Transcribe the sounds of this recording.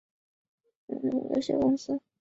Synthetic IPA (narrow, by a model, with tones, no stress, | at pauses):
n̩˥˩˨jo̰˧˩ʊɕjɛ̰˥kʊ˥ŋsɹ̩˥